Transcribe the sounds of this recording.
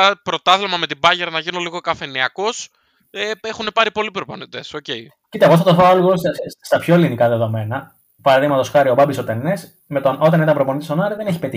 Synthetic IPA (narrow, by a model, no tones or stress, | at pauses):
pɾo̞t̪ɐθlemɐme̞t̪ibɐʝeɾɐnɐʝinoliɣo̞kɐfe̞niɐko̞s | eexune̞pɐɾipo̞lipɾoponit̪e̞so̞ce̞i | cit̪eɐɣoɐft̪ot̪θoaloɣosst̪ɐpço̞elinikɐðe̞ðo̞me̞nɐ | pɐɾɐðiɣmɐt̪o̞sxɐɾiobɐbist̪ot̪enes | me̞t̪o̞no̞t̪ɐnit̪ɐmpɾopo̞nit̪istonɐɾiðeneçi̥pe̞t̪i